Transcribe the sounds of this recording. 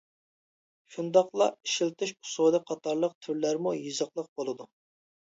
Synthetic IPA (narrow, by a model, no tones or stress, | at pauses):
ʃund̪ɑqlˠɑiʃilt̪ɨʃu̥sod̪ɨqʰɑt̪ʰɑɾlˠəq̚t̪ʰyɾlæɾmujɨzəqlˠəq̚bolˠɨd̪u